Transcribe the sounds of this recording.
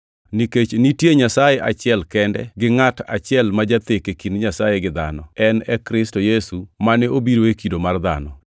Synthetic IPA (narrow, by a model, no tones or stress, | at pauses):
niket͡ʃnitjeɲasajeʔa̰t͡ʃɪɛlkɛndɛ̰ɡɪŋata̰t͡ʃɪɛlmad͡ʒat̪ekekinɲasajeɡɪd̪a̰nɔɛnɛkɾɪstojesumanɛʔobiɾoekidomard̪a̰nɔ